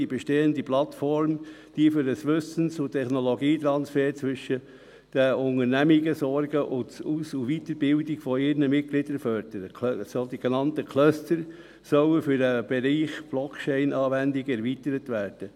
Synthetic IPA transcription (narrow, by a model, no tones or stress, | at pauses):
ibɛʃteːəndiplɑt̪fɔɾm | d̥iːfʏɾəsʋʏsən̩sʊt̪ʰːɛχnolɔɡiːt̪ɾɑnsfɛːɾt͡sʋʏʃə | d̥əʊŋəɾnæmiɡəsɔɾɡəʔʊtusuʋit̪əɾbɪldɪɡfɔɪɾnəmɪt̚ɡlɪdəɾfœɾd̥əɾəsod̥̪iɡ̥enɑntəkʰlœstəɾ | sœwəfʏɾdəb̥ɛɾiːχb̥lɔkʰt͡ʃɛɪnʔɑːʋændɪɡɛɾʋit̪əɾət̪ʋæːɾd̥ə